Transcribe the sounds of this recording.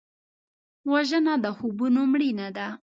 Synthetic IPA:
waʒənad̪əxubunomɽinad̪a

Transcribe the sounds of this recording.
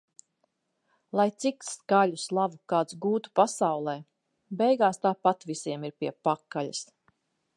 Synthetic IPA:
lˠajt̪sikskaʎuslˠavukaːt̪sɡuːt̪u̥pasawlˠɛː | bɛjɡaːst̪aːpat̪visʲiɛmiɾpiɛpakːalʲas

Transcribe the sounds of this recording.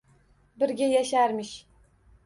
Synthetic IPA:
bɪɾɡʲejæʃæɾmɪʃ

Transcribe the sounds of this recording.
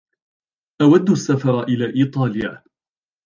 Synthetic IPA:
ʔawad̪ːasːafɑɾˤɑʔɪlaːʔiːt̪ˤɑːlja̰ː

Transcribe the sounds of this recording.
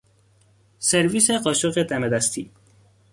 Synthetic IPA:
seɾviseqɒʃoɣed̪æmed̪æst̪ʰi

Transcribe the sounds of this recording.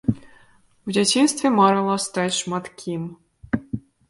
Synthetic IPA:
wd͡zʲat͡sʲinst̪vʲɛmaɾɨlˠɔst̪at͡sʲʂmat̪kʲʰim

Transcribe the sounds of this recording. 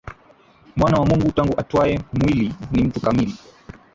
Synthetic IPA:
mwanawamuŋɡutaŋɡuʔatwaɛmwilinim̩tukamili

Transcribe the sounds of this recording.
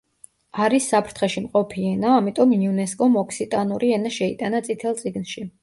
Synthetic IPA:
aɾisːapʰɾt̪ʰχɛʃimqʼɔpʰiɛnaamit̪ʼɔmniunɛskʼɔmɔkʰsit̪ʼanuɾʔiɛnaʃɛit̪ʼanat̪sʼit̪ʰɛlˠt̪sʼiɡnʃi

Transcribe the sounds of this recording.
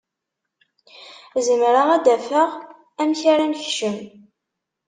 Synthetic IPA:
zəmɾaʁæd̪æfəʁ | æmçaɾæmçʃəm

